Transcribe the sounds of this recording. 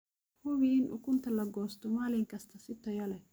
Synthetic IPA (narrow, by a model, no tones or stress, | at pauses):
hʊwinʔʊ̰kʊnt̪ɐlɐɡɔːst̪ɔmaːlɪŋkɐst̪ɐsɪt̪ːɔjɐlɛ